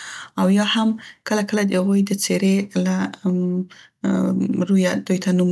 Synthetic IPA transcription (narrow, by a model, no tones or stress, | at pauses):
awjɑhamkəlakəlad̪əhaɣujd̪ət͡seɾela | ɾujad̪ujt̪ʰanum